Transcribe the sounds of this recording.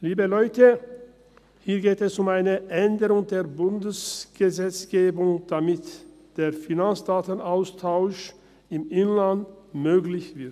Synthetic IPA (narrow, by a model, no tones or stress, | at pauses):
liːbəlɔʏtə | hiːɐɡeːtɛsʊmaɪnəʔɛndəʁʊŋdeːɐbʊndəsɡ̥əzɛt͡sɡ̥eːbʊŋd̥amɪt | d̥eːɐfinant͡sd̥aːtənaʊstʰaʊʃ | ɪmɪnland | møːɡlɪçv̥ɪɐt